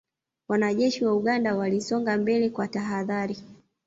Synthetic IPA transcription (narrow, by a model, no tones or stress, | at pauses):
wanaʄɛʃiwauɠandawalisɔŋɡambɛlɛkwataɦaðaɾi